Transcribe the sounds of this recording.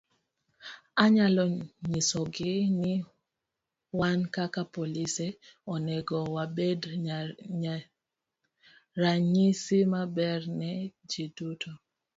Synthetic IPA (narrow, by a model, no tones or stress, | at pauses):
aɲalɔɲisɔɡɪnɪ | wankakapolisɛɔnɛɡɔwabed | ɾaɲisimabɛrnɛd͡ʒidutʰo